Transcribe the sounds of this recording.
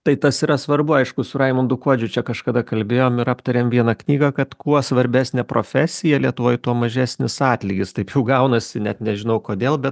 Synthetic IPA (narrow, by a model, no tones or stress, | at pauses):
t̪ɐɪt̪ɐsiːɾɐsʋɐrbʊɐɪʃkʊsʊɾɐɪmɐnd̪ʊkuɔd͡ʒʲʊt͡ʃʲɛkɐʃkɐd̪ɐkɐlʲbʲeːjoːmɪɾɑːpt̪ɐɾʲeːmʋʲiɛnɑknʲiːɡɐkɐt̪kuɔsʋɐɾʲbʲæːsʲnʲɛpɾoːfʲæːsʲɪjɛlʲiɛt̪ʊʋoːjt̪uɔmɐʒʲæːsʲnʲɪsɑːt̪ʲlʲɪɡʲɪst̪ɐɪpjɛʊɡɐʊnɐsʲɪnʲɛt̪nʲɛʒʲɪnɐʊkoːd̪ʲeːlˠbʲɛt̪